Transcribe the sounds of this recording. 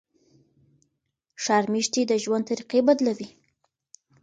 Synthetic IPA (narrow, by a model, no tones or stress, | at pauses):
ʃɑɾmiʃt̪id̪əʒwant̪aɾiqebad̪lawi